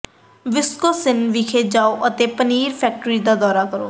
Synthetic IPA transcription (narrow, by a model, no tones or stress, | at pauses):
ʋɪskoːsɪnʋiːkʰeːd͡ʒaːoːʔət̪eːpəniːɾpʰɛːk̚ʈɾiːd̪aːd̪ɔːɾaːkəɾo̰ː